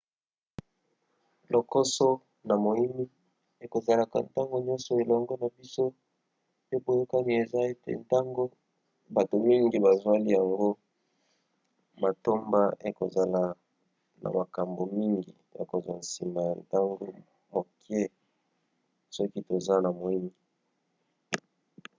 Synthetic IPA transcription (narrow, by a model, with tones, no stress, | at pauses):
lo˨ko˦so˦ | na˨mo˨i˦mi˦ | e˨ko˨za˨la˨ka̰˨nta˦ŋɡo˦ɲɔ̃˦nsɔ˨e˨lɔ˨ŋɡɔ˦na˨bi˦so˦ | pe˦bo˨jo˦ka˦ni˨e˨za˦e˦tḛ˨nta˦ŋɡo˦ | ba˨to˨mi˦ŋɡi˨ba˨zwa˦li˦ja˨ŋɡo˦ | ma˨to˦mba˦e˨ko̰˨za˨la˨ | na̰˨ma˨ka˨mbo˨mi˦ŋɡḭ˨ja̰˨ko˨za̰˨nsi˨ma˨ja˨nta˦ŋɡo˦ | mo˨kɛ˦ | sɔ˦ki˦to˨za˦na˨mo˨i˦mi˦˨